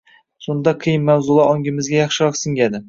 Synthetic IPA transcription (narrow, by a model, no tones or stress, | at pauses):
sund̪ɑqʰɨjɪmːæwzʊlˠɑɒŋɡʲɪmɪzɡʲajɑχʃɪɾɑqsɪŋɡʲad̪ɪ